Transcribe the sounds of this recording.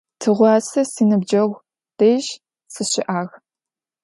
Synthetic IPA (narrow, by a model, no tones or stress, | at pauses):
tʰɨʁʷɑːsɐsiːnɨbd͡ʒɐɣʷ | d̥eːʒ | sɨɕɪʔaːɣ